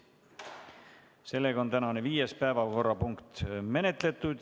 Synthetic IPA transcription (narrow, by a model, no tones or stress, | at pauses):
se̞lːe̞ɡɑo̞nt̪ænɑneviːjespæevɑlko̞rːɑpuŋkt̪me̞ne̞t̪ˑle̞t̪ːˑud̪̥